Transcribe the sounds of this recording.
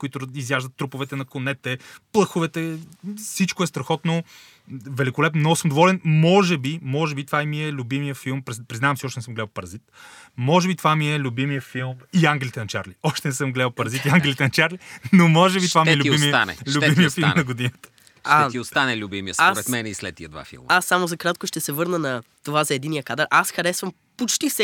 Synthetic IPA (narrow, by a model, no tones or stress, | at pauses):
koit̪ʊizjaʒd̪ət̪ːɾupʊvɛt̪ɛnɐkonɛt̪ɛplˠɤxʊvɛt̪ɛfsit͡ʃkoɛst̪ɾɐxɔt̪no | vɛlikolɛpnmnɔɡʊsɤmd̪ovɔlɛnmɔʒɛbimɔʒɛbit̪ovaɛmiɛlʲʊbimijəfilˠmpɾɛpɾiznavəmsiɔʃt̪ɛnsəmɡlɛlˠpɐɾɐzit̪mɔʒɛbit̪ovamiɛlʲubimijəfilˠmiaŋɡʲɛlit̪ɛnɐt͡ʃa̰ɾliɔʃt̪ɛnɛsəmɡlɛpɐɾɐzit̪iaŋɡʲɛlit̪ɛnɐt͡ʃaɾlinomɔʒɛbit̪ovamiɛlʲʊbimia̰nɛ̰lʲʊbimiəfilˠmnnɐɡʊd̪inət̪ə̥ | ʃtaɛt̪iost̪anɛlʲubimḭə̰saɾɛt̪mɛnɛislɛ̰t̪̚ːḭəd̪va̰fḭlˠm̰asːamozɐkɾat̪kʊʃt̪ɛsɛvɤɾnənɐ | t̪ovazɐɛd̪inijəkad̪əɾʔasxɐɾɛsvəm | pot͡ʃt̪ifsɛ